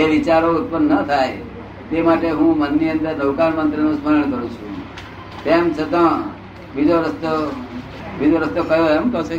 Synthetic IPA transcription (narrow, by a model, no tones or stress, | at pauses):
eʋit͡ʃaɾout̪̚pənːət̪ʰaj | t̪emaʈeɦũmənːiənd̪əɾd̪əʋkanmənt̪ɾənũsməɾəɳ̃kəɾũt͡ʃʰṵ̃ | t̪emt͡ʃʰət̪ã | bid͡ʒoɾəst̪o | bid͡ʒoɾəst̪okəjoemt̪ose